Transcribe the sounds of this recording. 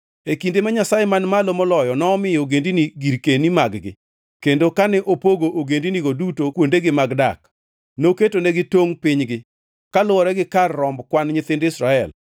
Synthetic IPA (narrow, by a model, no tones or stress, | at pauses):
ekindemaɲasajemanmalomɔlɔjɔnɔːmɪjoɡendiniɡiɾkenimaɡɡɪ̰ | kendokanɛʔopoɡoʔoɡendiniɡodutokwondeɡɪmaɡdak | noketonɛɡɪtoŋpɪɲɡɪ | kalʊwɔɾɛɡɪkarːɔmbkwanɲɪt̪ɪndɪsɾaɛl